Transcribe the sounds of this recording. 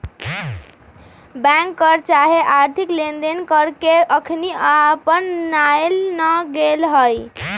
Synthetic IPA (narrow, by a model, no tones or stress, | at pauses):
bɛ̃ŋkːəɾt͡ʃaɦeʔaɾt̪ʰiklend̪enkəɾkeʔəkʰniapənːaelnəɡelɦəj